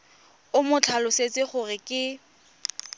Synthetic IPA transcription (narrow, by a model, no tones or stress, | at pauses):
ʊmʊt͡ɬʰalʊset͡sʼɪχʊrɪkʼɪ